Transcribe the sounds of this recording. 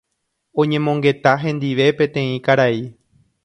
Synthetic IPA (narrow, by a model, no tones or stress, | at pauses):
õ̞ɲẽ̞mõ̞ŋɡe̞t̪aɦẽ̞nd̪iʋe̞pẽt̪ẽ̞ĩkaɾai